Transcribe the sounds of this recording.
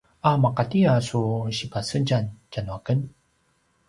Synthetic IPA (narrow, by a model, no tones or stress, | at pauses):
amaqatiasuɕipasəɟancanuakən